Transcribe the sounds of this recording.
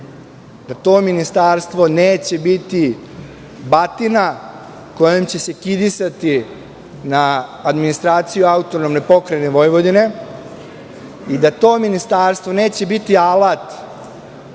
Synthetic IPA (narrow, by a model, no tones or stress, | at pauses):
d̪at̪o̞ːminist̪aːɾst̪ʋo̞neːt͡ɕe̞bit̪i | bat̪ina | ko̞jemt͡ɕe̞se̞kid̪isat̪i | naːd̪minist̪ɾaːt̪sijuaut̪o̞nomnepo̞kɾajne̞ʋo̞jʋo̞d̪ine̞ | id̪at̪o̞ːminist̪aːɾst̪ʋo̞neːt͡ɕe̞bit̪ialat̪